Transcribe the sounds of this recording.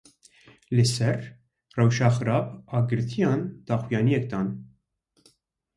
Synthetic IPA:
lɪsɛr | ɾɐwʃɐxɾɐpɐɡɾɪt̪jɐːnt̪ɐxwjɐnjɛːk̚d̪ɐːn

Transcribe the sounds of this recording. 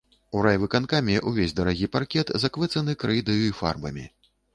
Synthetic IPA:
uɾajvɨkankamʲiʔuvʲezʲd̪ɐɾaɣʲiparkʲɛt̪zakvɨt̪sɐnɨkɾɨjd̪ɐjuifa̰rbɐ̰mʲḭ

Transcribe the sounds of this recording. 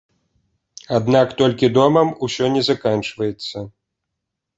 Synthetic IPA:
ad̪nakt̪ɔlʲkʲid̪ɔmɐmusʲɔnʲɛzakant͡ʂvɐjɛt̪sːɐ

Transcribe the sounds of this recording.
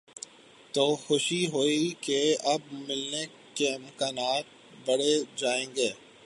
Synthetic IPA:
t̪oːxʊʃiɦoːikeɐbmɪlne | kemɐkaːnaːt̪̚ | bɐɽed͡ʒaːẽːŋɡeː

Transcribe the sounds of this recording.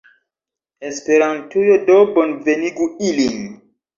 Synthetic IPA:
espe̞ɾantujodobonveniɡuilin

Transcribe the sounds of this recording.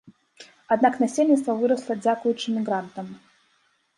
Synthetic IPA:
ɐd̪nakənɐsʲelʲnʲɪt̪st̪vəvɨɾəslˠəd͡zʲakʊjʊt͡ɕːɪmʲɪɡɾant̪əm

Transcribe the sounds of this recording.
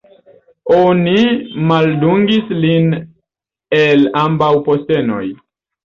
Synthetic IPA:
onimalduŋɡislin | elambawposteno̞̰j

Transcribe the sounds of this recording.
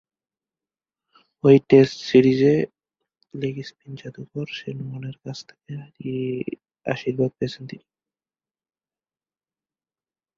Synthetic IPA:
ojʈesʈsiɾid͡ʑe | leɡispind͡ʑat̪upɔɾʃenumoneɾkat͡ɕʰt̪ʰe̥keaɾi | a̰ʃiɾbʱaɡ̚pet͡ɕʰent̪ini̥

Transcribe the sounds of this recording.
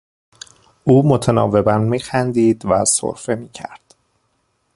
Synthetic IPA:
ʔuːmo̞t̪ʰenɒ̰ːve̞bænmiːxænd̪iːd̪væso̰ɾfe̞miːcʰæ̰ɾd̪̥

